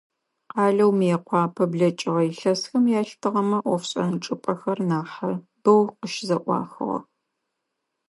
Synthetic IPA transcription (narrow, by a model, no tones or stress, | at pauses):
qɑːɮɐwmeːqʷɑːpʰɐbɮɐt͡ʃʼɪʁɐjɪɬɐsxɐmjaːɬtʰɨʁɐmɐʔʷɔfɕʼɐnɨʈ͡ʂʼɨpʼɐxɐrnaːħɐ | b̥ɐwqəʃzɐʔʷɑ̰ːxɨ̰ʁɐ̰